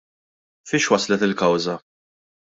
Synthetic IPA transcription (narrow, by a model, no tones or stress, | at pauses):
fiːʃwɐslɛt̪ɪlkɐwzɐ